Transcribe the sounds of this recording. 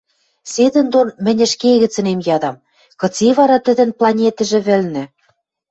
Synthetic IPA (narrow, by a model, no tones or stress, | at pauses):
sed̪ɘ̆nd̪onmɘ̆nʲɘ̆ʃkeɣɘ̆t͡sɘ̆nemjɑd̪ɑm | kɤ̆t͡seβɑɾɑt̪ɘ̆d̪ɘ̆nplˠɑnʲet̪ɘ̆ʒĕβɘ̆lnɘ̆